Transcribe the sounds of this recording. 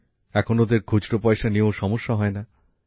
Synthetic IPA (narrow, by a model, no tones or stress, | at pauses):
ɛkʰonod̪eɾkʰud͡ʑʈopɔjʃanioʃɔmoʃːaɦɔena